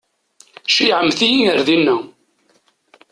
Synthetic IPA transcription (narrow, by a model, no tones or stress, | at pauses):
ʃiʕəmθijiəɾðinːə